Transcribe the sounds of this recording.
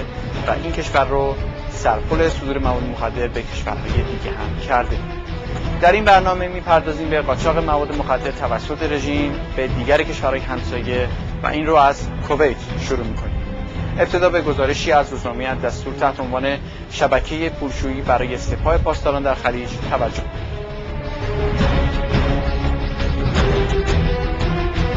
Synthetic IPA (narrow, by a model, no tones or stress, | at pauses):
væ̰ʔincʰe̞ʃvæɾːosæɾpʰole̞sod̪uːɾe̞mævɒːd̪ːemoxæd̪ːe̞ɾbe̞cʰe̞ʃvæ̰ɾɦɒ̰ːje̞d̪iɟʲeɦæmcʰæɾd̪e | d̪̥æɾinbæɾnɒːme̞miːpʰæɾd̪ɒːziːmbe̞ɢɒːt͡ʃʰɒːɣe̞mævɒːd̪ːe̞moxæd̪ːe̞ɾt̪ʰævæsːo̞t̪ʰe̞ɾe̞ʒiːmb̥ed̪iːɡæɾecʰe̞ʃvæɾhɒːjeɦæmsɒːje̞ | væ̰ʔiːnroæz̥kʰovejt̪ʰʃoɾuːmiːkʰo̞nḭːme̞p̚t̪ʰe̞d̪ɒːbe̞ɡo̞zɒːɾe̞ʃiːæzɾuːznɒːmejæd̪æst̪uːɾt̪ʰæht̪eonvɒːne̞ | ʃæbæcʰe̞je̞pʰuːlʃuːiːbæɾɒːjese̞pʰɒːhe̞pʰɒːst̪ɒːɾɒːnd̪æɾxæliːd͡ʒt̪ʰævæd͡ʒːohkoi